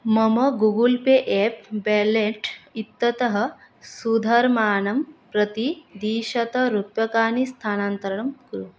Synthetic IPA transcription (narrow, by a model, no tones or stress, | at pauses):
mɐmɐɡuɡulpeʔeːpbɛːleʈit̪ːɐt̪ɐɦɐ̆ | sud̪ʱɐɾmaːnɐmpɾɐt̪id̪iːʃɐt̪ɐɾupjɐkaːnist̪ʰaːnaːnt̪ɐɾɐɳɐmkɾu